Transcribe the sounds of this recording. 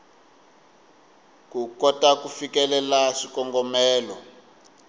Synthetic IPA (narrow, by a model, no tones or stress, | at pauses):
kukɔtakufikɛlɛlaʂikɔŋɡɔmɛːlɔ